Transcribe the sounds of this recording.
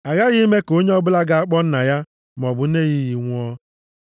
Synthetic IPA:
a˨ɣa˦ɣɪ˦me˦ko˦ɲe˦ɔ˦bʊ˦la˦ɡa˦a˦k͡pɔ˦n̩˦na˨ja˦ | m˨ɔ˨bʊ˨˦e˦˨ɣi˦ɣi˨ŋʷʊ˦ɔ˦

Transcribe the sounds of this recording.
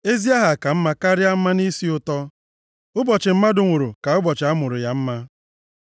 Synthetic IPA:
e˦zi˦a˦ɦa˨ka˨m̩˦ma˦ka˦ɾja˦m̩˦ma˦ni˦si˦ʊ˨tɔ˦ | ʊ˦bɔ˨t͡ʃɪ˨m̩˦ma˦dʊ˨ŋʷʊ˨ɾʊ˨ka˨ʊ˦bɔ˨t͡ʃɪ˨a˦mʊ˨ɾʊ˨ja˨m̩˦ma˦

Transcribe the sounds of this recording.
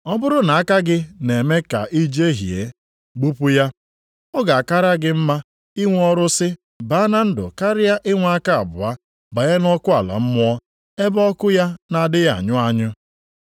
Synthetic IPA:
ɔ˦bʊ˦ɾʊ˦na˨a˦ka˦ɡɪ˦ne˨me˦ka˨ʔi˦d͡ʒe˦ɦḭ˨ḛ˨ | ɡ͡bu˦pʊ˦ja˦ | ɔ˦ɡa˨a˨ka˦ɾa˦ɡɪ˦m̩˦ma˦ | i˦ŋʷ˦ɔ˦ɾʊ˦sɪ˦ | ba˨˦na˦n̩˦dʊ̰˨ka˦ɾɪ˦ja˦ʔɪ˦ŋʷ˦a˦ka˦a̰˨bʊ˨a˦ | ba˨ja˦n˦ɔ˦kʊ˦a˨la̰˨m̩˦mʊ˦ɔ˦ | e˦bɔ˦kʊ˦ja˦na˨dɪ˦a̰˨ɲʊ˦a˦ɲʊ˦

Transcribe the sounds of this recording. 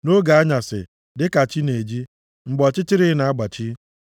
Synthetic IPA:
no˦ɡa˨a˦ɲa˨sɪ̰˨ | dɪ˦ka˨t͡ʃi˦ne˨d͡ʒi˦ | ŋ͡m̩˨ɡ͡bɔ˨t͡ʃɪ˦t͡ʃɪ˦ɾɪ˦na˨a˦ɡ͡ba˨t͡ʃi˦

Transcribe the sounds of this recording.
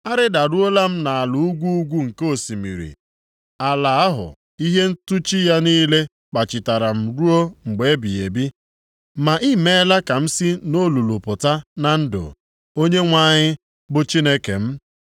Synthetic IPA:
a˦ɾɪ˦da˨ɾu˦o˦la˦m̩˦na˨a˨lu˨u˦ɡʷu˦u˦ɡʷu˦ŋ̩˨ko˦˨si˨mḭ˨ɾḭ˨ | a˨la˨a˦ɦʊ̰˨ | i˦ɦe˦n̩˦tu˦t͡ʃi˦ja˦niː˦le˦ | k͡pa˨t͡ʃɪ˨ta˨ɾa˨m̩˨ɾu˦o˦ŋ͡m̩˨ɡ͡be˨˦bi˨e˨bi˦ | ma˨ʔi˦me˦la˦ka˨m̩˦si˦no˦lu˨lʊ˨pʊ˨ta˦na˨n̩˦dʊ̰˨ | o˦ɲe˦ŋʷa˦˨ɲɪ˦ | bʊ˦t͡ʃi˦ne˦ke˨m̩˦

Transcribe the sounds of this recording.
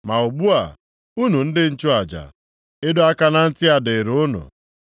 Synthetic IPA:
ma˨u˨ɡ͡bu˦a˨ | u˦nu˨n̩˦dɪ˦n̩˦t͡ʃʊ˦a˨d͡ʒa̰˨ | e˦do˦a˦ka˦na˦n̩˦tɪ˦a˨dɪ˨ɾʊ˦nʊ̰˨

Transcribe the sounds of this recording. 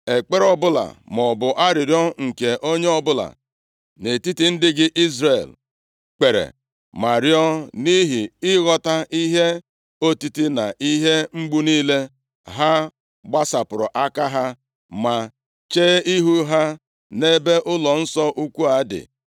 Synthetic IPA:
e˨k͡pe˦ɾɔ˦bʊ˦la̰˨m˨ɔ˨bʊ˨ʔa˦ɾɪ˨ɾjɔ˦ŋ̩˨ke˨ʔo˦ɲe˦ɔ˦bʊ˦la̰˨ | ne˨ti˦ti˦n̩˦dɪ˦ɡɪ˦ʔi˦zɾe˨l | k͡pe˨ɾḛ˨ | ma˨ɾi˦ɔ˦ni˦ɦi˨ɪ˦ɣɔ˦ta˦ʔi˦ɦe˦ | o˦ti˦ti˦na˨i˦ɦe˦ŋ͡m̩˦ɡ͡bu˦niː˦le˦ | ɦa˦ | ɡ͡ba˦sa˨pʊ˨ɾɔ˨ʔa˦ka˦ɦa˦ | ma˨ | t͡ʃeː˦i˦ɦu˦ɦa˦ | ne˦be˦ʔʊ˦lɔ˨n̩˦sɔ˦ʔu˦kʷu˦a˨˦dɪ̰˨

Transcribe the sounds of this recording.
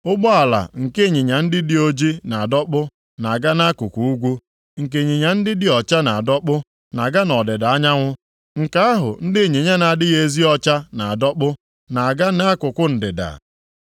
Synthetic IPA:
ʊ˦ɡ͡bɔ˦a˨la̰˨ŋ̩˨ke˦˨ɲi˨ɲa˨n̩˦dɪ˦dɪ˦o˦d͡ʒi˦na˨a˨dɔ˦k͡pʊ˦ | na˨ɡa˦na˦kʊ˨kʷu˨u˦ɡʷu˦ | ŋ̩˨k̬e˨ɲi˨ɲa˨n̩˦dɪ˦dɪ˦ɔ˨t͡ʃa˦na˨a˨dɔ˦k͡pʊ˦ | na˨ɡa˦nɔ˨dɪ˨da˨a˦ɲa˦ŋʷʊ˦ | ŋ̩˨ka˨a˦ɦʊ̰˨n̩˦dɪ˦˨ɲe˨ɲa˦na˨dɪ˦ɣe˦zi˦ɔ˦t͡ʃa˦na˨a˨dɔ˦k͡pʊ˦ | na˨a˨ɡa˦na˦a˦kʊ˨kʷʊ˦n̩˨dɪ˨da̰˨

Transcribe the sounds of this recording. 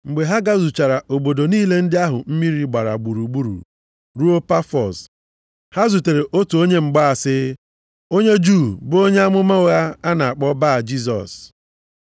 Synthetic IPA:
ŋ͡m̩˨ɡ͡be˨ɦa˦ɡa˦zu˨t͡ʃa˨ɾa˨ʔo˨bo˨do˨niː˦le˦n̩˦dɪ˦a˦ɦʊ˨m̩˦mi˦ɾi˦ɡ͡ba˨ɾa˨ɡ͡bu˨ɾu˨ɡ͡bu˦ɾṵ˨ | ɾu˦o˦pa˦fɔ˨s | ha˦zu˨te˨ɾe˨ʔo˦tu˨o˦ɲe˦ŋ͡m̩˨ɡ͡ba˦a˨sɪ˦ | o˦ɲe˦d͡ʒu˦˨bʊ˦o˦ɲe˦a˦mʊ˦ma˦o˦a˦a˦na˨a˨k͡pɔ˦ba˦˨d͡ʒi˦s̬ɔ̰˨s

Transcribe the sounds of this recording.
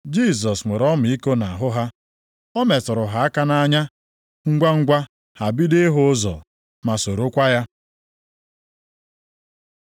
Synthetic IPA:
d͡ʒi˦˨s̬ɔ˨sŋʷe˨ɾɔ˦mʊ˨i˦ko˦na˨ɦʊ˦ɦa˦ | ɔ˦me˨tʊ˨ɾʊ˨ɦa˨a˦ka˦na˦ɲa˦ | ŋ̩˦ɡʷa˦ŋ̩˦ɡʷa˦ | ha˨bi˦de˦ɦʊ˦zɔ̰˨ | ma˨so˨ɾo˦kʷa˦ja˦

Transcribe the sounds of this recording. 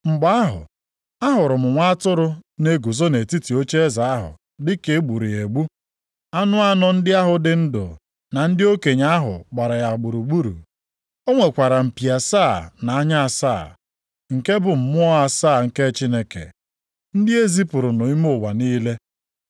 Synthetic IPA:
ŋ͡m̩˨ɡ͡ba˦a˦ɦʊ̰˨ | a˦ɦʊ˨ɾʊ˨mʊ˨ŋʷa˦tʊ˦ɾʊ˦ne˦ɡu˨zo˦ne˨ti˦ti˨o˦t͡ʃe˦e˦za˨a˦ɦʊ̰˨ | dɪ˦ke˨˦ɡ͡bu˨ɾi˨e˨ɡ͡bu˦ | a˦nʊ˦a˦nɔ˨n̩˦dɪ˦a˦ɦʊ˨dɪ˨n̩˦dʊ̰˨ | na˨n̩˦dɪ˦o˦ke˨ɲa˦ɦʊ̰˨k͡pa˨ɾa˨ja˨ɡ͡bu˨ɾu˨ɡ͡bu˦ɾṵ˨ | o˦ŋʷe˨kʷa˨ɾa˨m̩˨pi˨a˨saː˦˨na˨a˦ɲa˦a˨sa̰ː˦˨ | ŋ̩˨ke˦bʊ˨m̩˨mʊ˦ɔ˦a˨saː˦˨ŋ̩˨ke˦t͡ʃi˦ne˦kḛ˨ | n̩˦dɪ˦e˦zi˦pʊ˨ɾʊ˨nʊ˨i˦mʊ˦˨wa˨niː˦le˦

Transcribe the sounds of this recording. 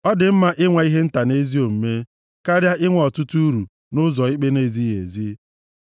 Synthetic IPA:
ɔ˦dɪ˨m̩˦ma˦ʔɪ˦ŋʷa˨i˦ɦe˦n̩˦ta˨ne˦zi˦o˨m̩˨me˦ | ka˦ɾja˦ɪ˦ŋʷ˦˨ɔ˨tʊ˦tu˦u˦ɾu˨ | nʊ˦zɔ˨i˦k͡pe˦ne˦˨zi˦jḛ˨zi˦

